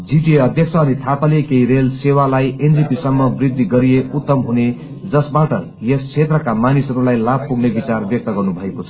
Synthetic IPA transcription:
d͡ziʈieʌd̪ʱjʌkt͡sʰʌːnit̪ʰapalekeiɾelsewalajend͡zipisʌmːʌbrid̪ːiɡʌɾijeut̪ːʌmɦune | d͡zʌsbaʈʌ | jest͡sʰet̪rʌkamanisʌɾulajlab̚puɡnebit͡sarbjʌk̚t̪ʌɡʌrnubʱʌekot͡sʰʌ̥

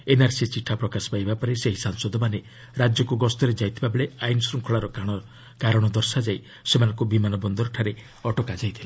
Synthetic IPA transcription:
enaɾsit͡ʃiʈʰːapɾɔkaspajbapɔɾeseɦisaŋsɔd̪ɔmane | ɾad͡ʒjɔkuɡɔst̪ɔɾed͡ʒajt̪ʰibabeɭeajnsɾuŋkʰɔɭaɾɔkaɽ̃ɔ | kaɾɔɽ̃ɔd̪ɔɾsad͡ʒaj | semanɔŋkubimanɔbɔnd̪ɔɾɔʈʰaɾe | ɔʈɔkad͡ʒajt̪ʰila

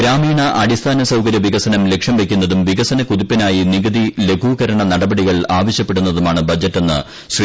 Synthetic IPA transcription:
ɾaːmiːɳɐʔɐɽist̪ʰaːnɐsɐwkɐɾjɐʋiɣɐsɐnɐmle̞kʂjɐmʋe̞kʲːunːɐðumʋiɣɐsɐnɐkuðipːinaːjiniɡɐðile̞ɡʰʱuːkɐɾɐɳɐnɐɽɐbɐɽiɣɐɭaːʋɐɕjɐpːe̞ɽunːɐðumaːɳɨbʱɐd͡ʑɐtːenːɨ̰ | si

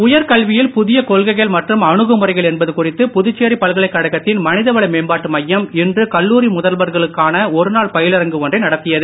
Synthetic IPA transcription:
ʊjɐɾkɐlʋɪjɪlpʊðɪjɐkoːlɣɐɪɣɐɭmɐʈrɯmɐɳɯɣɯmʊrɐɪɣɐɭɛnbɐðɯkʊrɪt̪ːɯpʊðɯt͡ʃːeːripɐlɣɐɭɐɪkːɐɽɐɣɐt̪ːɪnmɐnɪðɐʋɐɭɐɪmeːmbaːʈːɯmɐjːɐmɪndrɯkɐlːuːɾimʊðɐlʋɐɾɣɐɭɯkːaːnɐɔɾɯnaːɭpɐjɪlɐɾɐŋɡɯʋɔndrɐɪnɐɽɐt̪ːɪjɐðɯ

